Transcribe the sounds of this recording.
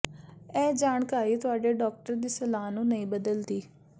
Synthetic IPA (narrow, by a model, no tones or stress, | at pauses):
ɛːd͡ʒaːɳkaːɾiːt̪ʊaːɖeːɖɔːk̚ʈəɾd̪iːsəlaːnũːnəĩːbəd̪əld̪iː